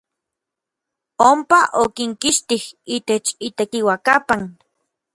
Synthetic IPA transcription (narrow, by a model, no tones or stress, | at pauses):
ompaʔokiŋkiʃt̪ihit̪et͡ʃit̪ekiwakapan